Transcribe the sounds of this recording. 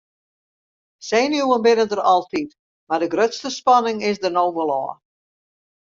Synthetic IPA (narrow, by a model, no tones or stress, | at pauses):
seːnjuənbɪnədərɑlˠtʰit | mardəɡrøtstəspɑnɪŋɪsdərnowʋəlˠɔ̰ː